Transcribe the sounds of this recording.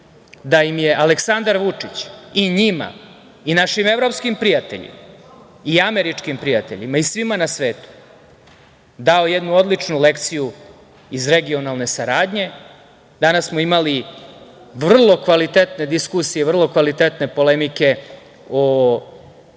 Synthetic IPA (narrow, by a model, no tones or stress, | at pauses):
d̪ajimje̞ʔaleksand̪aɾʋut͡ʂit͡ɕiɲima̰ | inaʃime̞vɾo̞pskimpɾijat̪e̞̰ʎḭma | iameɾit͡ʂkimpɾijat̪eʎḭmaisʋimanasʋeːt̪u̥ | d̪ao̞jed̪nuo̞d̪lit͡ʂnulekt̪siju | izɾe̞ɡio̞nalˠne̞saɾaːd̪ɲe̞ | d̪anasːmoimali | ʋr̩lˠo̞kʋalit̪et̪ne̞d̪iskusijevr̩lˠo̞kʋalit̪et̪ne̞po̞lemike̞ | o